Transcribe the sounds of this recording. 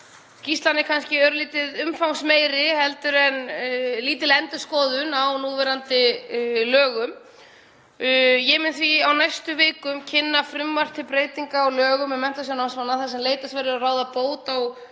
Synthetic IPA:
cist̪lanɪkʰanscɪɛɾʏliːt̪ɪðʏmfawŋsmeːjɾɪhɛlt̪ʏɾɛnliːt̪̬ɪlɛnt̪ʏ̥skɔːðʏnawnuːvɛɾant̪ɪlœːɣʏm | jɛmɪnθviawnajst̪ʏvɪːkʏmcʰɪnːafɾʏmːar̥t̪ʰɪlpɾeːjt̪iŋkaɔlœːɣʏmɛmɛn̥t̪as̬janansmanːaθasɛmleːjt̪asvajɾɪaraːwðapoːwt̪aw

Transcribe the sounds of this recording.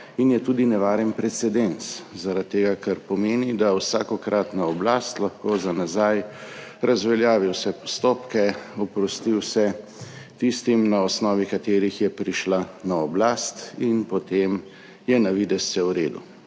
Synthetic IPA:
injɛt̪uːd̪inɛʋaːɾɛnpɾɛt̪sɛd̪enszaɾat̪ːeːɡakaɾpɔmeːnid̪awsaːkɔkɾʔat̪naɔblast̪laxkoːzanazajɾazʋɛljaːʋiwsɛpɔst̪oːpkɛɔpɾɔst̪iwsɛ | t̪ist̪imnaɔsnɔːʋikat̪eːɾixjɛpɾiʃlanaɔblaːst̪inpɔt̪em | jɛnaʋiːd̪ɛsɛwɾeːd̪ṵ

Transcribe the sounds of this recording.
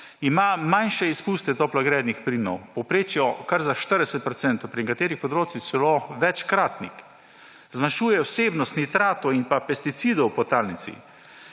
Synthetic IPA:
imamanʃɛispust̪ɛt̪ɔplaɡɾɛːd̪nixpɾinɔ̰wpɔpɾeːt͡ʃjɔkaɾzaʃt̪əɾd̪ɛsɛt̪̚pɾɔt̪sɛnt̪ɔwpɾinɛkat̪eːɾixpɔd̪ɾoːt͡s̪ixsɛloʋɛt͡ʃkɾaːt̪nḭx | zmanʃuːjɛɔseːbnɔst̪nit̪ɾaːt̪ɔinpapɛst̪it̪sid̪ɔwpɔt̪aːlnit̪sḭ

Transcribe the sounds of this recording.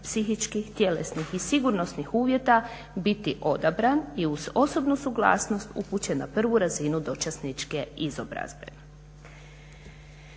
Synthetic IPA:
psixit͡ʃkixt̪je̞lḛsnixisiɡuɾno̞snixuːʋje̞t̪a | bit̪iʔo̞d̪abɾaniuzo̞so̞bnusuɡlˠa̰ːsno̞st̪ṵput͡ɕe̞na̰pr̩ʋuɾazinud̪o̞t͡ʃasnit͡ʃke̞izo̞bɾa̰zbe

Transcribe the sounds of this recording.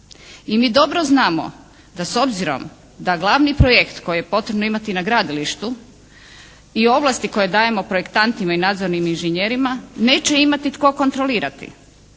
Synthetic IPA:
imiːd̪o̞bɾo̞znaːmo̞̰ | d̪aso̞bziɾo̞̰m | d̪aɡlˠaʋnipɾojekt̪ko̞jije̞po̞t̪ɾe̞bno̞imat̪inaɡɾaːd̪iliʃt̪u | io̞ʋlast̪iko̞jed̪aːje̞mo̞pɾoje̞kt̪ant̪imainaːd̪zoɾniminʒeɲeɾimane̞ːt͡ʃe̞imat̪it̪ko̞ko̞nt̪ɾo̞liːɾat̪ḭ

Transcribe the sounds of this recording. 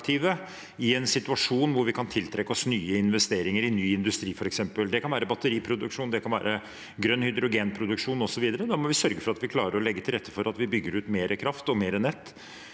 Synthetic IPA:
t̪ʰiʋə | ɪɛnsɪt̪ʉɑʂuːnʋʊɾʋɪkʰɑnt̪ʰɪlt̪ʰɾɛkːəɔsnyːəɪnʋɛst̪eːɾɪŋəɾɪnyːɪnd̪ʉst̪ɾiːfɔɾɛksɛmpəld̪ɛkʰɑnʋæːɾəbɑt̪ːəɾiːpʰɾʊd̪ʉkʂuːnd̪ɛkʰɑnʋæ̰ːɾə | ɡɾœnːhʏd̪ɾʊɡeːnpʰɾʊd̪ʉkʂuːnɔsɔʋiːd̪əɾəd̪ɑːɾmɔʋɪsœɾɡəfɔɾɑt̪ʋɪkʰlɑ̰ːɾəɾɔlɛɡːət̪ʰɪlɾɛt̪ːə̥fɔɾɑt̪ʋɪbʏɡːəɾʉːt̪meːɾəkʰɾɑft̪ɔmeːɾənːɛt̪ː

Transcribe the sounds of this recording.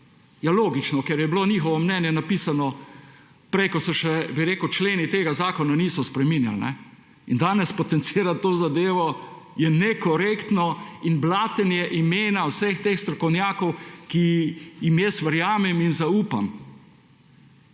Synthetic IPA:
jaloːɡit͡ʃnɔkɛɾjɛbloniːxɔʋɔmnɛnjɛnapiːsanɔ | pɾɛjkɔsɔʃɛbiɾeːkəwt͡ʃleːnit̪eːɡazaːkɔnaniːsɔspɾɛminja̰lnɛ̰ | ind̪aːnɛspɔt̪ɛnt̪siːɾat̪ːoːzad̪eːʋɔ | jɛnɛkɔɾekt̪nɔinblaːt̪ɛnjɛʔimeːnawsext̪eːxst̪ɾɔkɔwnjaːkɔwkijimjɛst̪ʋəɾjaːmɛminzauːpa̰m

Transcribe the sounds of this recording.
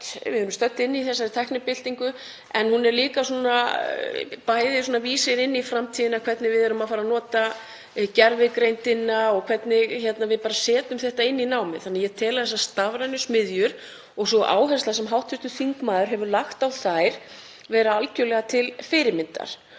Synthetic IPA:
vɪðhœɾʏmst̪œt̪ːɪnːiθɛsːat̪ʰajhknɪpɪl̥t̪iŋkʏ | ɛnhunɛɾliːkasɔːna | pajðɪsuɔːnaviːsɪɾɪnːifɾamt̪ʰiːðɪnakʰvɛt̪nɪvɪðɛɾʏmafaːɾanɔːt̪a | cɛɾvɪkɾejnt̪ɪnːaɔɣkʰvɛt̪nɪɣçɛt̪navɪðpaːɾasɛːt̪ʏmθɛht̪aɪnːinaːwmɪ̰θanːajɛt̪ʰɛːlaðθɛsast̪avɾanʏsmɪðjʏɾ̥ | ɔɣsɔʔa̰ːwɦɛ̥st̪lasɛmɦawht̪fʏst̪ʏθiŋkmaːðʏɾɦɛvʏɾlaxt̪awθajɾ̥ | vɛːɾaalcœlɛɣat̪ʰɪlfɪɾɪmɪnt̪a̰ɾ̥

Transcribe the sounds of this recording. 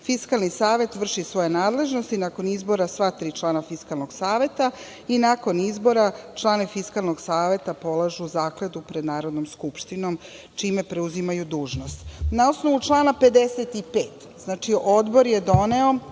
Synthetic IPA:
fiskalˠnisaːʋe̞t̪ʋr̩ʃisʋo̞jenaːd̪le̞ʒnost̪inako̞nizbo̞ɾasʋat̪ɾiːt͡ʃlˠaːnafiskalˠnoɡsaːʋe̞t̪a | inako̞nizbo̞ɾat͡ʃlˠaːnifiskalˠno̞ɡsaːʋe̞t̪apo̞lˠaʒuːzaːkled̪upɾe̞d̪naːɾo̞d̪nomskupʃt̪ino̞m | t͡ʃiːme̞pɾeuzimajud̪uːʒno̞st̪naosno̞ʋut͡ʃlˠaːnape̞d̪eset̪ipeːt̪ | z̥naːt͡ʃiʔo̞d̪bo̞ɾje̞d̪o̞ne̞o̞

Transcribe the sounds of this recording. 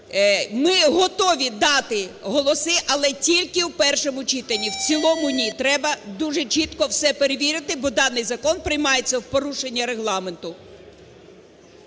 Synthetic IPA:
mɪɦɔt̪ɔʋʲid̪ɑt̪ɪɦɔlˠɔsɪʔɐlˠɛtʲilʲkɪwpɛrʃɔmʊt͡ʃit̪enʲːiwt͡sʲilˠɔmʊnʲit̪ɾɛbɐd̪uʒet͡ʃit̪kɔwsɛpeɾeʋʲiɾɪt̪ɪbɔd̪ɑnːɪjzɐkɔnpɾɪjmɑjet͡sʲːɐwpɔɾuʃenʲːɐɾe̞ɦlˠɑme̞nt̪ʊ

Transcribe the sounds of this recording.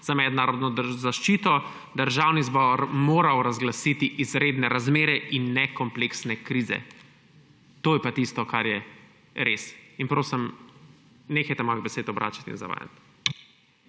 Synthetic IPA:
z̥amɛd̪naːɾɔd̪nɔd̪zaʃt͡ʃiːt̪ɔ | d̪əɾʒawnizbɔɾmoːɾawɾazɡlasit̪iʔizɾed̪nɛɾazmeːɾɛʔinːɛkɔmpleksnɛkɾiːzɛ̰ | t̪oːjɛpat̪ist̪ɔkaɾjɛ | ɾesinpɾoːsim | neːxɛjt̪ɛmɔibɛseːd̪ɔbɾʔa̰ːt͡ʃḁt̪ḭnza̰ʋa̰ːja̰t̪

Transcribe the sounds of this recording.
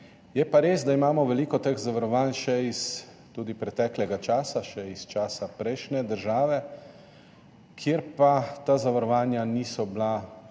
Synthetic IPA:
jɛpaɾeːzd̪aimaːmɔʋɛliːkɔt̪əɣzaʋaɾɔʋaːnʃɛis | t̪uːd̪ipɾɛt̪ɛːklɛɡat͡ʃaːsaʃɛist͡ʃaːsapɾɛjʃnɛd̪əɾʒaːʋɛ | kʰjeɾpat̪azaʋaɾɔʋaːnjaniːsɔbla

